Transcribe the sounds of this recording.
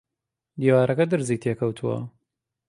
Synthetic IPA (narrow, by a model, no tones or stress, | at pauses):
d̪iːwaːɾʔɐkɐd̪ɨɾziːt̪ʰekʰɐwt̪ʰuwɐ̰